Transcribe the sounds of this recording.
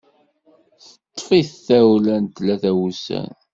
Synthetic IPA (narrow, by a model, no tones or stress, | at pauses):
θət̪ˤːfiθθæwlænt̪læθæwusæ̰n